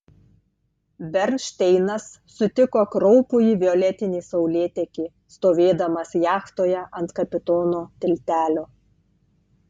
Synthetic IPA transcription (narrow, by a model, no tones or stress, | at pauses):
bʲɛɾʲnʃʲt̪ʲɛɪnɐsːʊt̪ʲɪkoːkɾɔʊpʊiːʋʲɪɔlʲɛt̪ʲɪnʲiːsɒʊlʲeːt̪ʲɛkʲiː | st̪oːʋʲeːd̪ɐmɐsjæːxt̪oːjɛʔɐnt̪kɐpʲɪt̪oːnoːt̪ʲɪlʲt̪ʲæːlʲoː